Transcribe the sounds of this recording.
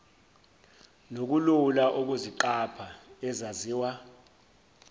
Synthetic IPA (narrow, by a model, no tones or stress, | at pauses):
nok̬ululaʔuk̬uziǃapʰaɛzaziːwa